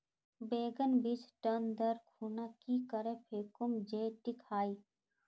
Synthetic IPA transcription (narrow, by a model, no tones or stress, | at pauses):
beːɡənbit͡ʃʈənd̪əɾkʰuːnakikəɾepʰeːkʊmd͡ʒeːʈikʰaːiː